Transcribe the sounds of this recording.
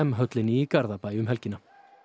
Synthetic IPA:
ɛmɦœt̪lɪniːkaɾðapaːjʏmɦɛlcɪna

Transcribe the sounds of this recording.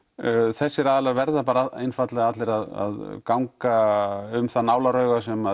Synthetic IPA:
θɛsːɪɾaːðɛlaɾvɛɾðapaːɾaḛjnfat̪lɛɣaat̪lɪɾaða̰ðkawŋkaʏmθanaːwlaɾœːɥɣasɛma

